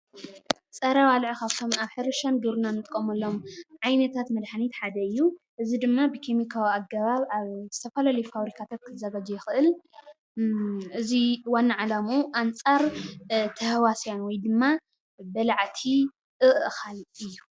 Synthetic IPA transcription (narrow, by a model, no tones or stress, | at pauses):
t͡sʼɐɾawalʕɨkaβt̪ʰomaβħɨɾɨʃand̪uɾunanːɨt̪ʼkʼomɐlːomʕajnɐt̪ʰat̪mɐd̪ħanit̪ħad̪ɐɨjːuʔɨzid̪ɨmːabɨkʰemikʰawiaɡɐβaβaβz̥ɨt̪ʰɐfɐlalojfaβɾikʰat̪ʰat̪̚kʰɨzɐɡad͡ʒɛjɪxɨʔɨl | ʔɨziwanːaʕalamuʔant͡sʼaɾt̪ʰɐhwasjanwɔjd̪ɨmːa | bɐlaʕt̪ʰi | ʔɨʔɨxalɨjːu